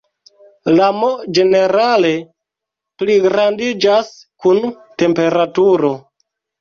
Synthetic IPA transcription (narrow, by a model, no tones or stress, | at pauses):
lamod͡ʒe̞ne̞ɾale̞ | pliɡɾandid͡ʒas | kun | te̞mpe̞ɾatuɾo̞